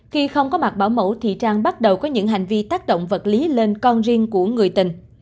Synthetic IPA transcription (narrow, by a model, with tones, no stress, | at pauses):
xi˧xə˧wŋ͡mkɔ˨˦ma˨˩t̚ɓaː˧˩wmə̰˧˩wt̪ʰḭ˨t͡ɕaː˧ŋɓa˦˥t̚ɗə˨˩wkɔ˨˦ɲɨ̰˧˥ŋɦa˨˩jŋ̟vi˧t̪aː˦˥k̚ɗo̰˧˨wŋ͡mvə˨˩t̚li˨˦le˧nkɔ˧nzi˧əŋku˧˩əŋɨ˨˩əjt̪ï˨˩ŋ̟